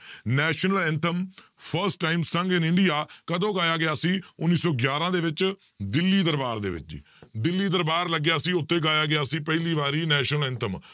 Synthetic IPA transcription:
nɛːʃnəlɪnt̪ʰəm | pʰəɾsʈaːimsəŋɡɪnɪɳɖɪjaːkəd̪õːɡaːjaːɡɪjaːsĩːʊnːiːsɔːɡjaːɾãːd̪eːʋɪt͡ʃ | d̪ɪlːiːd̪əɾbaːɾd̪ḛːʋɪ̰t͡ʃː | d̪ɪlːiːd̪əɾbaːɾləɡːjaːəsĩːʊt̪ʰːeːɡaːjaːɡɪjaːsĩːpɛɪliːʋaːɾiːnɛːʃnəlɪnt̪ʰəm

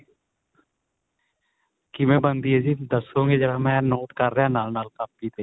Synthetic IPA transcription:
kimẽbənd̪ied͡ʒid̪əsõɡed͡ʒəɾamɛ̃noːʈkəɾːãːnaːlnaːlkapːit̪eː

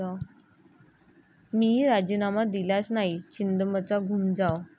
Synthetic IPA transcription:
a | miːɾad͡ʑiːnamad̪iljat͡snaɦit͡ɕind̪əmət͡saɡʱumd͡zaw

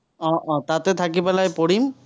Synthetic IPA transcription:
ɔʔɔ̃t̪at̪ɛt̪ʰakipalajpɔɽim

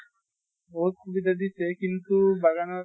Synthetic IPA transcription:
oːɾ̚kʰubid̪ɐd̪isekint̪ubaɡana

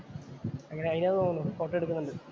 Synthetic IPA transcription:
ɐŋːɐneɐðinɐðɨt̪oːŋunːukoːʈːeɽukːunːuɳɖɨ

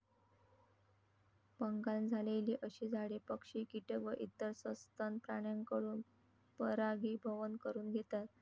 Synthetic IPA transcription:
pəŋɡand͡zʱaleliːʔəɕiːd͡zʱaɽepəkʂiːkiʈəkʋəʔit̪əɾsəst̪ʰanpɾaɽ̃jaŋkəɽuːn | pəɾaɡibʱəʋənkəɾuːnɡʱet̪at̪̚

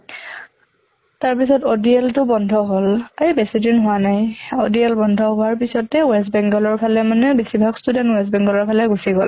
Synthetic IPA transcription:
taɹpisɔtodiɛltʊbɔndʱɔɦolaɹibesidinɦʊwanajɔdiɛlbɔndʱɔɦʊaɹpisɔtɛwɛs̬bɛŋɡɔlɔɹpʰalɛmanɛbesibʱaɡstudɛntwɛs̬bɛŋɡɔlɔɹpʰalɛɡusiɡɔl

